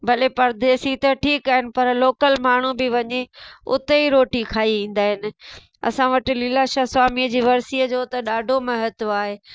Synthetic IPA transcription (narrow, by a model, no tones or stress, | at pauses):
bʱɐlepɐɾd̪eːsit̪ɐʈʰiːkaːɦɪnɪ̆pɐɾloːkəlmaːɳ̤ubɪʋɐɲeʊ̰t̪eiɾoːʈikʰaːiĩːn̆d̪aːɦɪnɪ̆ | ɐ̰sãʋɐʈɪ̆lɪːlaːʃaːsʋaːmiəd͡ʑiːʋɐɾsiːəd͡ʑoːt̪ɐɗaːɖʱomɐɦət̪oaːɦeː